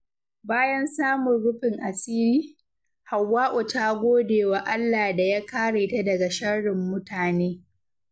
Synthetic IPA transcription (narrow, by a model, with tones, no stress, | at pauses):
baː˦jɐ˦nsaː˦mʊ˨nɽʊ˦ɸɪ˨ŋʔa˨siː˦liː˦ | ha˨wːaː˦ʔʊ˨taː˦ɡʷoː˦deː˨wa˨ʔa˦lːa˨da˨jaː˦kaː˦ɽeː˨ta˦dɐ˨ɡa˨ʃɐ˦ɽɪ˨mːʊ˦taː˨neː˦